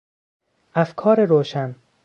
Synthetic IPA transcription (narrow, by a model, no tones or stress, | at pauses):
ʔæfkʰɒːɾeɾoːʃæn